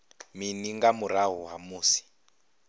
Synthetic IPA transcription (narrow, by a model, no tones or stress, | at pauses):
miniŋɡamuɾaɦuɦamuːsi̥